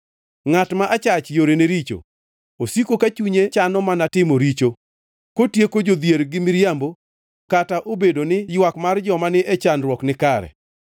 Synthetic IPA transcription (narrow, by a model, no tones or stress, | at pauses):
ŋatmaʔat͡ʃat͡ʃjoɾeneɾit͡ʃo̰ | osikokat͡ʃuɲet͡ʃanɔmanatɪmoɾit͡ʃo | kotjekod͡ʒod̪jeɾɡɪmɪɾjambo | kataʔobedonɪjwakmard͡ʒɔmanɪʔet͡ʃanrwɔknɪkaɾɛ̰